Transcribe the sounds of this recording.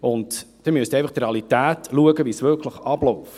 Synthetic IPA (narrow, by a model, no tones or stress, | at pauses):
ʊndd̥ɛmyəst̪ɛjfɑχt̪reɑlitæːtluəɡəʋisʋʏɾkʰləχɑblɔf